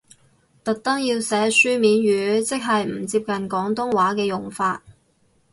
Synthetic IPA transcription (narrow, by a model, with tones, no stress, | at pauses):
t̪ɐ˨k̚t̪ɐ˥ŋjiː˧wsɛː˨˥syː˥miː˨˥nɥyː˨˧˥t͡sɪ˥k̚ɦɐ˨jm̩˨˩t͡siː˧p̚kɐ˨nkɔː˨˥ŋt̪ʊ˥ŋwaː˨˥kɛː˧jʊ˨˩ŋfaː˧t̚